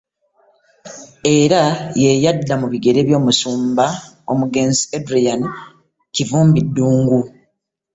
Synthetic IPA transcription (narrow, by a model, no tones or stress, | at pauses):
e̞ɾaje̞jadːamuβiɡe̞ɾe̞βjo̞ːmusuːmba | o̞̰muɡe̞ːnziedɾijan | civuːmbidːuːŋɡu